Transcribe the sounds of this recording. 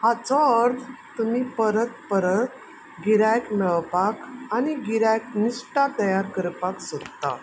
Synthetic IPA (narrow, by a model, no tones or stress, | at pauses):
hat͡sɔəɾd̪t̪umipəɾət̪pəɾə | ɡiɾajkmɛɭpakaniɡiɾajknisʈat̪əjaɾkəɾpaksot̪t̪a̰